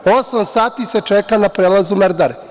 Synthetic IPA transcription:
osamsaːt̪iset͡ʃekanapɾeːlˠazumeɾd̪aɾ

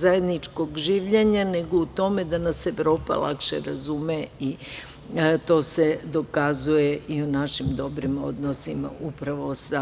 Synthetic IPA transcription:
zaje̞d̪nit͡ʃko̞ɡʒiːʋʎeɲane̞ɡo̞ut̪o̞me̞d̪anase̞ʋɾo̞ːpa̰lˠa̰kʃḛɾazumei | t̪o̞ːse̞d̪o̞kazuje̞ʔiunaʃimd̪o̞bɾimo̞̰d̪nosima̰upɾaʋo̞sa

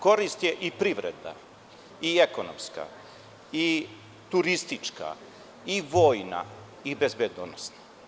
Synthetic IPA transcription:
ko̞ɾist̪jeʔipɾiʋɾḛd̪a̰ | iekonomska̰ | i | t̪uɾist̪it͡ʂka̰ | iʋo̞ːjna̰ | ibezbed̪onosna

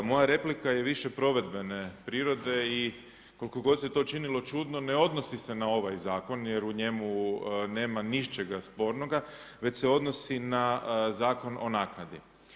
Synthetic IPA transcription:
mo̞jaɾe̞plikajeʋiʃepɾo̞ʋe̞d̪be̞ne̞pɾiːɾo̞d̪e̞i | koliko̞ɡo̞d̪set̪o̞t͡ʃinilo̞t͡ʃud̪no̞ne̞o̞d̪no̞sise̞nao̞ʋajzaːko̞nje̞ɾuɲe̞mune̞ːmaniʃt͡ʃeɡaspo̞ːɾno̞ɡa | ʋe̞t͡ɕseo̞d̪no̞sinazaːko̞no̞̰naːknad̪i

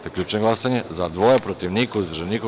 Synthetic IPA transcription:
t̪ekʎʲuːt͡ʃeɡlˠasaɲezad̪ʋojepɾot̪iʋnikauzd̪ɾ̩ʒeniːko

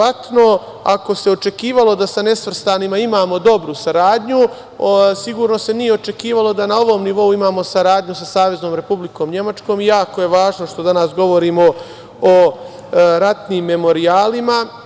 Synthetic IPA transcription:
at̪no̞ | a̰ko̞se̞o̞t͡ʃe̞kiːʋalˠo̞d̪asane̞sʋr̩st̪aːnimaimaːmo̞d̪o̞bɾusaɾaːd̪ɲu | siɡuːɾno̞se̞nijeo̞t͡ʃe̞kiːʋalo̞d̪anao̞ʋo̞mniʋo̞uimaːmo̞saɾaːd̪ɲusasaːʋe̞zno̞ːmɾe̞publiko̞ːmɲe̞mat͡ʃko̞ːmijaːko̞je̞ʋaːʒno̞ʃt̪o̞d̪anaːsɡo̞ʋo̞ɾiːmo̞ | o | ɾat̪niːmːe̞mo̞ɾiaːlima

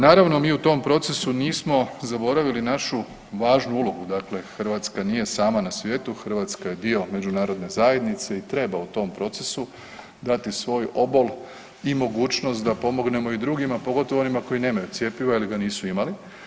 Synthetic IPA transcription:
naːɾaʋno̞miːut̪o̞mpɾo̞t̪se̞suniːsmo̞zaboɾaʋilinaʃu | ʋaːʒnuulo̞ɡud̪akle̞xrʋat̪skaniːje̞saːmanasʋje̞ːt̪uxr̩ʋaːt̪skaje̞d̪io̞me̞d͡ʒunaːɾo̞d̪ne̞zaːje̞d̪nit̪se̞it̪ɾe̞baut̪o̞mpɾo̞t̪se̞su | d̪at̪isʋo̞ːjo̞bol | imo̞ɡuːt͡ʃnost̪̚d̪apo̞mo̞ɡne̞mo̞id̪ɾuːɡimapo̞ɡo̞t̪oʋoo̞nimako̞ine̞ːmajut̪je̞piʋailiɡaniːsuimali

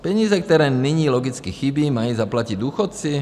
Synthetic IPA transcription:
pɛɲiːzɛk̚t̪ɔɾɛːniɲiːlɔɡit͡skixibiːmajuːzaplaciɟd̪uːxɔt̪̚t͡si

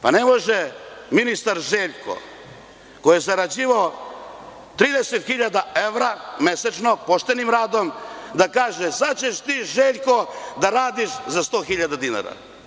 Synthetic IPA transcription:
pane̞mo̞ʒeminist̪aɾʒeːʎko̰ | kojezaɾad͡ʑiːʋao | t̪ɾiːd̪eset̪xiʎad̪aeʋɾameset͡ʃno̞poʃt̪e̞nimɾaːd̪o̞md̪akaːʒezat͡ɕeʃt̪iːʒeːʎko̞d̪aɾaːd̪iʃzast̪o̞ːxiʎad̪ad̪ina̰ɾa̰

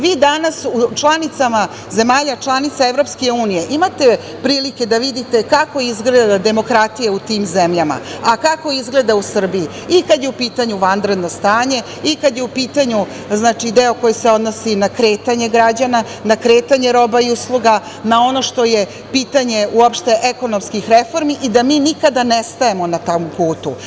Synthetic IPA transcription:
ʋiːd̪anasut͡ʂlˠanit̪sama | ze̞maːʎat͡ʃlˠanit̪saeʋɾo̞pske̞uːnije̞ʔimat̪e̞ | pɾiːlike̞d̪aʋid̪it̪e̞kako̞izɡled̪ad̪e̞mo̞kɾat̪ijeut̪iːmzemʎama̰akako̞izɡle̞d̪ausr̩bii | ikad̪jeupiːt̪aɲuʋand̪ɾe̞d̪no̞st̪aːɲe̞ | ikad̪jeupiːt̪aɲu | znaːt͡ʃid̪eo̞ko̞jiseo̞d̪no̞sinakɾe̞ːt̪aɲe̞ɡɾad͡ʑana | nakɾeːt̪aɲe̞ɾo̞baiuslˠuɡa | nao̞no̞ʃt̪o̞je̞ | piːt̪aɲe̞uopʃt̪e̞ʔeko̞no̞mskixɾefo̞ɾmiʔid̪amiːnikad̪anest̪ae̞mo̞nat̪ompuːt̪u

